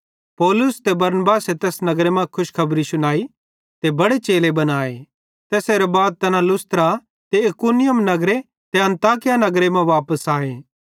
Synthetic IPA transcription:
pɔːlʊst̪ebɐɾnəbaːset̪eːsnɐɡɾemɐ̃kʰʊʃkʰɐbɾisʊñaːi | t̪ebɐɽet͡ʃeːlebɐnaːḛ | t̪eːseɾebaːd̪̚t̪ɐnalʊst̪ɾa | t̪eɐkunɪjəmnɐɡɾe | t̪eɐ̃nt̪aːkɪjanɐɡɾemɛ̃ʋaːpəsaːeː

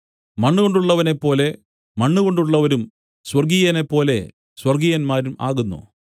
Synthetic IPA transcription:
mɐɳːuɣo̞ɳɖuɭːɐʋɐne̞pːo̞ːle̞ | mɐɳːuɣo̞ɳɖuɭːɐʋɐɾum | swɐrɡijɐne̞pːo̞ːle̞̰ | swɐrɡijɐnmaːɾuma̰ːɣunːṵ

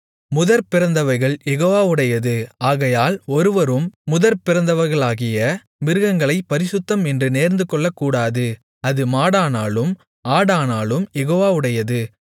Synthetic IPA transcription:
mʊðɐɾpɪɾɐnd̪ɐʋɐɪɣɐɭjɛɣoːʋaːɯɽɐjɐðɯaːɣɐjaːlɔɾɯʋɐɾɯmːʊðɐɾpɪɾɐnd̪ɐʋɐɾɣɐɭaːɣɪjɐ | mʋɪɾɯɣɐŋɡɐɭɐɪpɐɾɪsʊt̪ːɐmɛndrɯneːɾnd̪ɯkɔɭːɐkːuːɽaːðɯ | ɐðɯmaːɽaːnaːlɯm | aːɽaːnaːlɯmjɛɣoːʋaːʊɽɐjɐðɯ

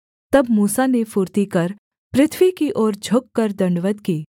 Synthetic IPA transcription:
t̪ɐbmuːsanefʊɾt̪ikɐɾ | pɾɪt̪ʰʋikiʔɔːɾd͡ʒʱʊkːɐɾd̪ɐ̃ɳɖʋəd̪kiː

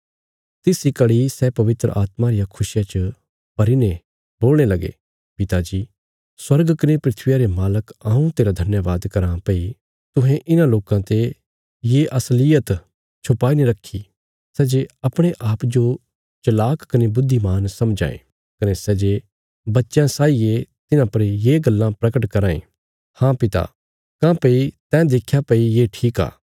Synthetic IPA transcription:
t̪ɪsikɐɽisɛpɐʋɪt̪ɾə̰ʔaːt̪mãɾɪjakʰʊsɪjat͡ʃə | pɐɾine | boːlɽ̃elɐɡḛ | pɪt̪ad͡ʒiː | swɐɾɡkɐnepɾɪt̪ʰʋɪjaɾemaːləkãːũt̪eːɾad̪ʱɐnjəʋaːd̪kɐɾãpɐi | t̪ʊ̃ɦẽʔɪnãloːkãt̪e | jeʔɐslɪjət̪ | t͡ʃʰʊpaːineɾɐkʰːi | sɛːd͡ʒeɐpɽ̃eʔaːpd͡ʒo | t͡ʃɐlaːkkɐnebʊd̪ʱːimaːnsɐmd͡ʒã̰ːḛ̃ | kɐnesɛːd͡ʒe | bɐtːʃjãsaːijet̪ɪnãpɐɾjeːɡɐlːãpɾɐkəʈkɐɾaːḛ̃ | hãpɪt̪a̰ | kãpeit̪ɛ̃ːd̪eːkʰjapɐijeʈʰiːka̰ː

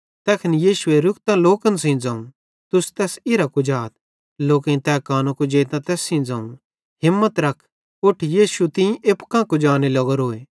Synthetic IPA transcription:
t̪ɛːkʰɐnjiːʃʊeɾʊkt̪ãloːkənsĩd͡zãũ | t̪ʊst̪ɛːsɪɾakud͡ʒaːt̪̚ | loːkẽt̪ɛːkaːnõkud͡ʒeːt̪ãt̪ɛːsːĩːd͡zãːũ | ɦɪmːət̪ɾɐkʰ | ʊʈʰjiːʃut̪ɪ̃ĩʔepkãkud͡ʒaːnelɐɡɔɾoːe

